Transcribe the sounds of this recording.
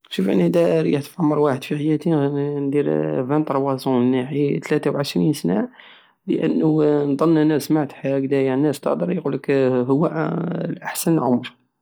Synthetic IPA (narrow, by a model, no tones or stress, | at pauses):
ʃufʔə̰nːd̪æɾiħt̪fʕamːəɾˤwaħəd̪fiħajæt̪ind̪iɾvænt̪ɾˤwɑzuənːaħit̪læt̪awʕəʃɾinsna | lə̰ʔə̰nːund̪ˤɑnːnæsmaʕt̪ħaɡd̪æjænːæst̪ɑ̰ʔd̪əɾˤjquləkɦʊwːælʔaħsənlʕʊmɾ